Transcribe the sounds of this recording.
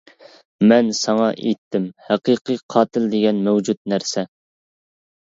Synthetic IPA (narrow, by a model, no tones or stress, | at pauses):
mɛnsɑŋɑʔḛt̪ʰːɪmhæqɨqɨqʰɑːt̪ʰɪld̪ɪɡʲɛnmɛwd͡ʒut̪̚næɾsɛ